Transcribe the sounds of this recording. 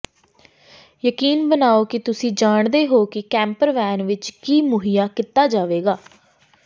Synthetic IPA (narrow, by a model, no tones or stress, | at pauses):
jəkiːnbənaːoːkɪt̪ʊsĩːd͡ʒaːɳd̪eːɦoːkɪkɛ̃ːmpəɾʋɛːnʋɪt͡ʃkiːmʊɦijaːkɪt̪aːd͡ʒaːʋeːɡaː